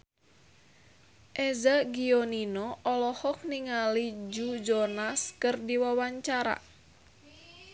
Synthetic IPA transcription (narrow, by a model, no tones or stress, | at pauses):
ʔɛzaɡiɔninɔʔɔlɔhɔk̚niŋalid͡ʒud͡ʒɔnaskɨrdiwawaɲt͡ʃaɾa̰